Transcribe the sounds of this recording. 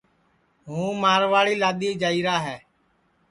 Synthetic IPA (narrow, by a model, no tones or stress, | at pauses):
ɦũːmaːɾʋaːɭiːlaːɗ̪iːd͡ʒaːiːɾaːɦɛː